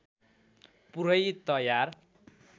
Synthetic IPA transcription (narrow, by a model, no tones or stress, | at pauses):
puɾʌjt̪ʌjar